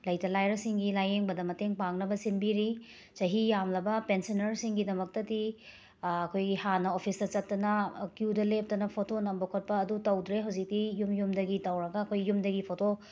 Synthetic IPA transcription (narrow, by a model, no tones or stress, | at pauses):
lɐjtɐlajɾɐsiŋɡilajeŋbɐdɐmɐteŋpaŋnɐbɐsinbiɾi | t͡ʃɐɦijamlɐbɐpensinɐɾsiŋɡidɐmɐk̚tɐdi | ɐkʰojɡihanɐopʰisdɐt͡ʃɐtːɐnɐkjudɐlep̚tɐnɐpʰotonɐmbokʰɐt̚pɐːdutɐwdɾeɦɐwzik̚tijumjumdɐɡitɐwɾɐɡɐːkʰojjumdɐɡipʰoto